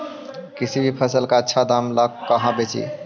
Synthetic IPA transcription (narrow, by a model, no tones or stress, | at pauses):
kisibʱipʰəsəlkaətːʃʰad̪amləkkːəɦãbet͡ʃḭ